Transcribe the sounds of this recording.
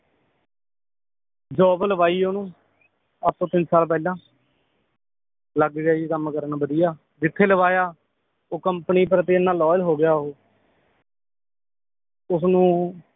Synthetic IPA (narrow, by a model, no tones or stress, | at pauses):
d͡ʒoːbləbaːiːoːnũː | ət̪ːõːt̪ɪnsaːlp̬ɛːlãː | ləɡɡaːikəmkəɾnaːbəd̪ɪjaː | d͡ʒɪt̪ʰːeːləʋaːjaː | oːkəmpniːp̬əɾət̪iːənːãːlɔːjlɦoːɡɪjaːɦoː | ʊsnũː